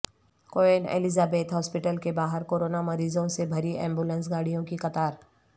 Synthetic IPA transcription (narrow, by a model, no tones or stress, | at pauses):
koːenḛːlɪzaːbeːt̪ɦɔːspɪʈəlkebaːɦəɾkoːɾoːnamɐɾiːzõsebʱɐɾiʔɛ̰̃ːmbuːlə̃ns̬ɡaːɽijõkixɐt̪aːɾ